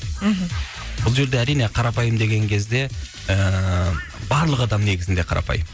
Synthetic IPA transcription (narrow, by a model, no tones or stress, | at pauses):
ɦm̩ | b̥ʊlˠʒe̞ɾd̪eæɾijne̞qʰɑɾɑpɑjəmd̪e̞ɡʲe̞ŋkʲʰe̞zd̪e̞ | ə | bɑɾlˠəqɑd̪ɑmne̞ɡʲɪzɪnd̪e̞qʰɑɾʔɑ̰pɑ̰jəm